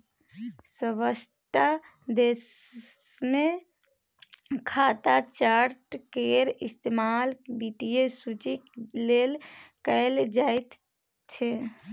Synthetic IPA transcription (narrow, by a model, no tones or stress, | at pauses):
səʋəsʈa | d̪eːs | mẽ | kʰaːt̪at͡ʃaːɾʈkeːɾɪst̪eːmaːlkbiʈijesut͡ʃikleːlkəjld͡ʒaːɪt̪ | t͡ʃʰe